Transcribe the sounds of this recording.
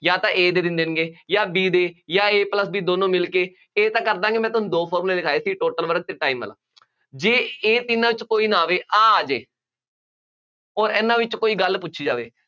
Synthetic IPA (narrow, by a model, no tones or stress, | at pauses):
jaːt̪ãːʔeːd̪eːd̪ɪnd̪eːnɡeːjaːbiːd̪eːjaːeːpləsbiːd̪oːnõːmɪlkeː | eːt̪ãːkəɾd̪ãːɡemɛ̃ːt̪ʊʊnũːd̪oːpʰɔːɾmːleːd̪ɪkʰaːeːsiːʈoːʈəlʋəɾək̚t̪eːʈaːiːmə̰la̰ː | d͡ʒeːeːt̪ɪnãːʋɪt͡ʃkoːiːnaːʋeːʔaːaːd͡ʒeː | ɔːɾɛːnãːʋɪt͡ʃkoːiːɡəlpʊt͡ʃːʰʃʰiːd͡ʒaːʋeː